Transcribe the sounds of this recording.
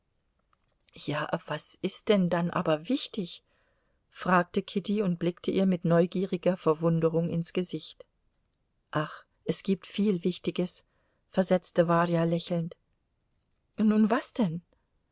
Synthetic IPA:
jaːv̥asʔɪst̚d̥ɛndanʔa̰ːbɐvɪçtɪç | fʁ̥aːk̚təkʰɪtiʊntb̥lɪktʰəʔiːɐmɪtnɔʏɡiːʁɪɡɐfɛɐvʊndəʁʊŋɪnsɡ̥əzɪçt | ʔaχ | ʔɛsɡ̥iːp̚tfiːlvɪçtɪɡəs | fɛɐzɛt͡stəvaːʁjalɛçl̩nt | nuːnvasd̥ɛn

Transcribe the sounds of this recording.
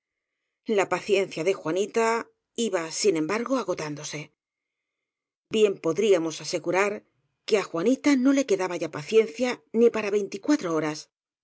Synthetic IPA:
lapaθje̞n̟θjaðe̞xwanit̪a | iβasinẽ̞mbaɾɣo̞aɣ̞o̞t̪and̪o̞se̞ | bje̞mpo̞ðɾiamo̞sase̞ɣuɾaɾ | ke̞axwanit̪ano̞le̞ke̞ðaβaʝapaθje̞nθjanipaɾaβe̞jnt̪ikwat̪ɾo̞o̞ɾas

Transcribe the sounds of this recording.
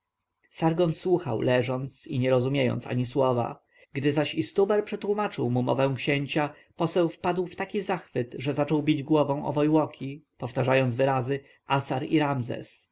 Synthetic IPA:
saɾɡɔnswuxa̰wlɛʐɔnt̪siɲɛɾɔzumʲjejɔ̰nt̪sa̰ɲiswɔva̰ | ɡd̪ɘzaɕist̪ubɛɾpʂɛt̪wumat͡ʂɘwmumɔ̰vɛ̃w̃kɕɛɲt͡ɕa | pɔsɛwfpad̪wft̪akʲizaxfɘt̪ʐɛzat͡ʂɔwbʲid͡ʑɡwɔvɔ̃w̃ʔɔ̰vɔjwɔkʲʰipɔft̪aʐajɔnd̪zvɘɾazɘ | ʔasaɾḭɾamzɛ̰s

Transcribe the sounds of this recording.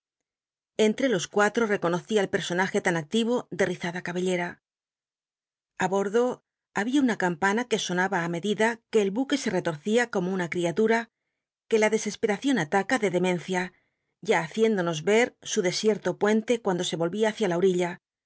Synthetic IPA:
e̞nt̪ɾe̞lo̞skwat̪ɾo̞re̞ko̞no̞θiaelpe̞ɾso̞naxe̞t̪anak̚t̪iβ̞o̞ðe̞riθaðakaβe̞ʎe̞ɾa | aβo̞ɾðo̞ | aβiaunakampanake̞so̞naβaːme̞ðiðake̞ːlβuke̞se̞re̞t̪o̞ɾθiako̞mo̞unakɾiat̪uɾa | ke̞laðe̞se̞spe̞ɾaθjo̞nat̪akaðe̞ðe̞mẽ̞nθja | ʝaːθje̞nd̪o̞no̞zβe̞ɾsuðe̞sje̞ɾt̪o̞pwe̞nt̪e̞kwand̪o̞se̞βo̞lβiaːθjalaoɾiʎa

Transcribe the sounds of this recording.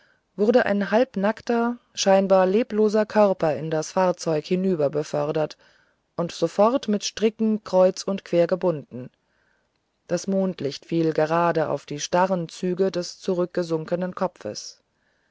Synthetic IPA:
vʊʁɐdəʔa̰ɪnɦalpnaktɐ | ʃaɪnbaːɐleːploːzɐkʰœʁpɐɪndasfaːɐt͡sɔʏkhɪnyːbɐbəfœʁdɐt | ʔʊntz̥ofɔʁtmɪtʃtʁ̥ɪkŋ̩kʁ̥ɔʏt͡sʊntkv̥eːɐɡəbʊndn̩ | d̥asmoːntlɪçtfiːlɡəʁaːdəʔa̰ʊfd̥iːʃtaʁənt͡syːɡədɛst͡suʁʏk̚ɡ̥əzʊŋkənənkʰɔpfə̰s

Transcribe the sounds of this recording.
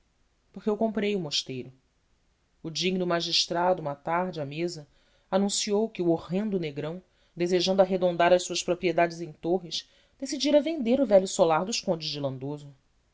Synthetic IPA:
poχkeewkõmpɾejʊmoʃt̪ejɾʊː | d͡ʒiɡnʊmaʒiʃt̪ɾad̪ʊũmɐt̪aɾd͡ʒɪamezɐ | anũsiowkɪuoʁẽnd̪ʊneɡɾɐ̃w̃ | d̪ezeʒɐ̃nd̪ʊaɦed̪õnd̪aɾɐʃsuɐʃpɾopɾied̪ad͡ʒɪzẽj̃t̪oɦiʃ | d̪̥esid͡ʒiɾɐvẽnd̪eɾʊvɛʎjʊsolaɾd̪ʊʃkõnd͡ʒɪzd͡ʒilɐ̃nd̪ozʊ

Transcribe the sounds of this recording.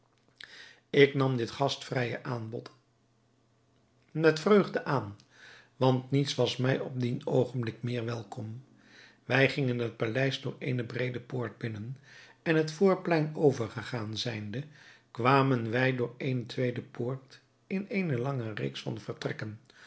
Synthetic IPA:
ɪknɑmdɪtχɑstfrɛjə̰ʔaːnbɔ̰t | mɛtfrøɥχdəʔaːn | ʋɑntnitsʋɑsmɛjɔb̚dinowχənblɪkmɪːɹʋɛlˠkɔm | ʋɛjχɪŋənɦət̚palɛjzdʊːɹḛjnəbrejdəpʊːɹd̚bɪnən | ɛnɦətfʊːɹplɛjnowvəɹχəχaːnzɛjndəkʋaːmənʋɛjdʊːɹejntʋejdəpʊːɹt | ɪnenəlɑŋərḛːksfɑ̰nvəɹtrɛkən

